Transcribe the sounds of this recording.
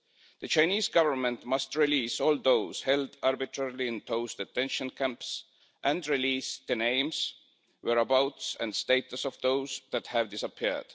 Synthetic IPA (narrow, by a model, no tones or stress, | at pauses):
ðɨt͡ʃãɪ̃niːzɡʌvə˞mə̃ntmʌstɹiliːsɔːlˠðoʊz̥hɛldɑɹbɨtʰɹɛɹiliɨ̃nt̪ʰoʊsðɨtʰɛ̃nʃə̃nkʰæ̃mps | ʔæ̃ndɹiliːsðɨnẽɪ̃ms | wɛɹəbaʊtsæ̰̃ndsteɪt̪əsɔvðoʊzðæt̪hævdɪsəpʰiɹd̥